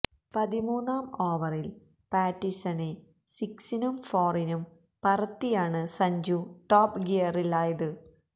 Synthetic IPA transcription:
pɐðimuːnːaːmo̞ːʋɐril | paːtːisɐne | siksinumfoːrinum | pɐrɐt̪ːijaːɳɨsɐɲd͡ʑuʈoːpɡejɐrilaːjɐðɨ

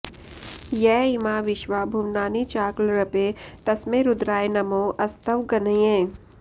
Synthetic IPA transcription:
jɛːɪmaːʋɪʃʋaːbʱuʋnaːnit͡ʃaːklɾɐpet̪ɐsmẽɾʊd̪ɾaːjenɐmõːʔɐst̪əʋɡɐnə̃ẽː

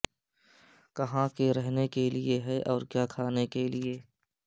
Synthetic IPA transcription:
kɐɦãkeɾɛɦnekelieɦɛʔɔːɾkjaːkʰaːnekelieː

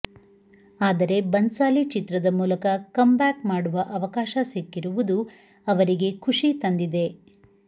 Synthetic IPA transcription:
aːd̪ɐɾe̞bɐnsaːlit͡ʃit̪ɾɐd̪ɐmuːlɐkɐkɐmbaːkmaːɽuʋɐʔɐʋɐkaːʃɐsekːiɾuʋud̪u | ɐʋɐɾiɡe̞kʰuʂit̪ɐnd̪id̪e̞

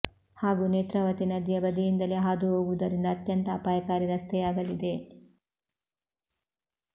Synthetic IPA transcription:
haːɡuneːt̪ɾɐʋɐt̪inɐd̪jɐbɐd̪ijind̪ɐleɦaːd̪uɦoːɡuud̪ɐɾind̪ɐːt̪jɐnt̪ɐːpaːjɐkaːɾiɾɐst̪ʰɛjaːɡɐlid̪e̞

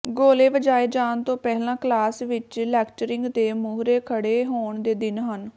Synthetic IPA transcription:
ɡoːleːʋəd͡ʒaːeːd͡ʒaːnt̪õːpɛːɦlãːklaːsʋɪt͡ʃlɛːkʈəɾɪ̃ŋɡt̪eːmuːɦɾeːkʰəɽeːɦoːɳd̪eːd̪ɪnɦən

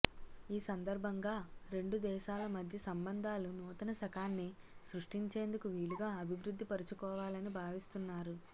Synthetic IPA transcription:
iːsɐnd̪ɐɾbʱɐŋɡaːɾe̞ɳɖud̪ɛːʃaːlɐmɐd̪ʱjɐsɐmbɐnd̪ʱaːlunɔːt̪ɐnɐʃɐkaːnːi | sɾuʂʈiɲt͡ʃe̞ːnd̪ukuʋiːluɡaːɐbʱiʋɾud̪ʱːipɐɾut͡ʃukɔːʋaːlɐnibʱaːʋist̪unːaːɾu

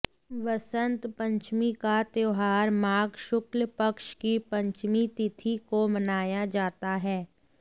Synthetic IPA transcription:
ʋɐsə̃nt̪pə̃ɲt͡ʃmikat̪eːɦaːɾmaːɡʃʊklpɐkʃkipɐ̃ɲt͡ʃmit̪ɪt̪ʰikomɐnaːjad͡ʒaːt̪aɦɛː

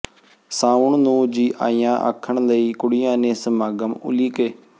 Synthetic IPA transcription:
saːʊɳnũːd͡ʒiːʔa̰ːijãːʔə̰kʰːəɳləiːkʊɽɪjãːneːsəmaːɡəmʊ̰liːkeː

